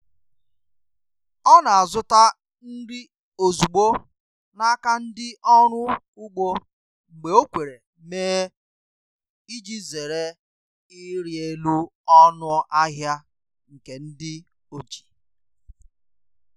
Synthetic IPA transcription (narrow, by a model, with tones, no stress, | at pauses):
ɔ˦na˨a˨zʊ˦ta˦ | n̩˦ɾɪ˦ | o˨zu˨ɡ͡bo˦ | na˦ka˦n̩˦dɪ˦ʔɔ˦ɾʊ˦ | ʊ˦ɡ͡bo˦ | ŋ͡m̩˨ɡ͡be˨o˦kʷe˨ɾe˨ | meː˦ | i˦d͡ʒi˦ze˨ɾe˦ | i˦ɾje˨lu˦ɔ˦nʊ˦ʔa˦ɦja˦ | ŋ̩˨ke˨n̩˦dɪ˦ | o˦˨d͡ʒi̥˨